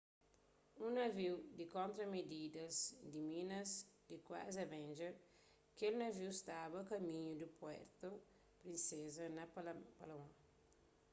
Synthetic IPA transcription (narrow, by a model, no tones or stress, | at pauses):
ũnɐviwd̪ikõnt̪ɾɐmed̪id̪ɐzd̪imĩnɐzd̪ikwa̰zɐvɛ̃nd͡ʒɐ | kelnɐviwst̪abɐkɐmĩɲud̪upwɛ̰ɾt̪o | pɾinsezɐnɐpalawã